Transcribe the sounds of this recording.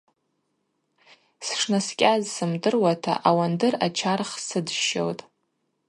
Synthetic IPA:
sʂnaskʲʼazsɨmdɨrwatʰa̰ʔawandɨrat͡ʃʰarχsɨdʃo̰wtʼ

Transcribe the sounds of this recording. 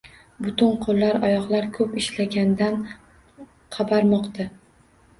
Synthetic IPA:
bʊt̪ɪnqʰolˠːaɾɒjɒqlˠaɾkʰɵpɪʃlaɡʲand̪an | qʰɑbaɾmɒqt̪ʰa

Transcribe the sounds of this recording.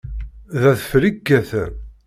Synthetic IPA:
ðæθfɾiɡːæθ

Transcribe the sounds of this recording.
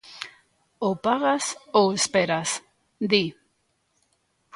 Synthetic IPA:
opaɣasoespeɾas | d̪i

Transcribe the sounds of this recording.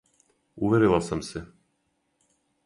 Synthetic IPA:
uʋeɾilˠasamse

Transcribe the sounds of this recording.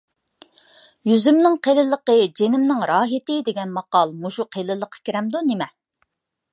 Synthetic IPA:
jyzymnɪŋqʰelɪlˠːəqəd͡ʒenɪmnɪŋɾɑːɦɪt̪ɪd̪eɡʲɛnmɑqɑlˠmuʃuqʰelɪlˠəqʰːɑ̥kʲʰiɾɛmd̪unemɛ

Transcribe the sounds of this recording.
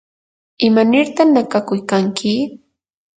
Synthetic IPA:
ɪmanɪɾt̪aχnakakʊjkaŋkʰɪ

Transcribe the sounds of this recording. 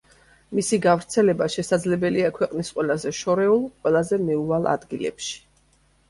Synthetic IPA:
misiɡavɾt̪sʰɛlɛbaʃɛsad̪zlɛbɛliakʰwɛqʼnisqʼwɛlˠazɛʃɔɾɛulˠqʼwɛlˠazɛmɛualˠa̰d̪ɡilɛ̰pʃi̥

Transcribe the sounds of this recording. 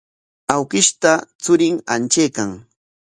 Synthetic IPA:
awkɪʃt̪at͡sʊɾɪŋa̰nt͡ʃejkaŋ

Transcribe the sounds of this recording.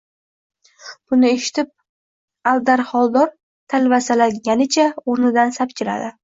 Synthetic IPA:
b̥ʊnɪeʃɪ̥t̪ʰɪp̚ | ald̪aɾχɒlˠd̪ɒɾ | t̪ʰalvasalaɡʲanɪt͡ʃʰaoɾnɪd̪ansapt͡ʃʲʰɪɾa̰d̪ɪ

